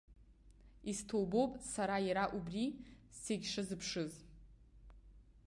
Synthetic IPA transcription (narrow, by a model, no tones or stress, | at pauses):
iztʰowbo̞wpʼsaɾajaɾaʔubriseɡʲʂɨzɨpʰʂɨz